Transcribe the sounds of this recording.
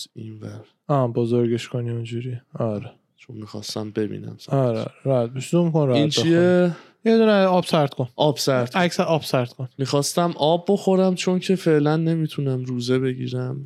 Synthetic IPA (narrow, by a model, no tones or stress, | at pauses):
invæɾ | ɒːbozoɾɡeʃkʰoniind͡ʒuɾiɒɾe | t͡ʃʰonmixɒ̰ːst̪æmbe̞bḭːnæ̰msɒɾɔ̰ɾeɾæd̪̚beʃd̪omikonɾæint͡ʃeie | jed̪uneɒb̥sæɾt̪kʰonʔɒːb̥sæɾt̪æcʰsæɾɒːb̥sæɾt̪kʰonmixɒːst̪æmʔɒbːo̞xo̞ɾæmt͡ʃʰo̞ncʰe̞fe̞ʔlænːe̞mit̪ʰunæmɾuːzeβe̞ɟḭːɾæm